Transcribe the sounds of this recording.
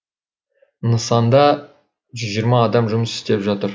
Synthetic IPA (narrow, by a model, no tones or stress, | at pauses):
nəsɑnd̪ɑ | ʒʏzʒijɾmɑːd̪ɑmʒʊməsɪ̥st̪e̞pʒɑt̪əɾ